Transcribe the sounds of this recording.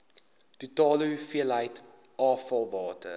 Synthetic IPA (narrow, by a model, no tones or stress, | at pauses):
tutɑːləufiəlɦəjt | ɑːfɐlˠvɑːtə